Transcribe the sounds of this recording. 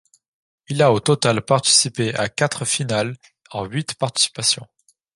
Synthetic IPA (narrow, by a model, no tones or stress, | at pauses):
ilaot̪ɔt̪alpaʁt̪i̥sipeakat̪χəfinal | ɑ̃ɥit̪paʁt̪i̥si̥pasjɔ̰̃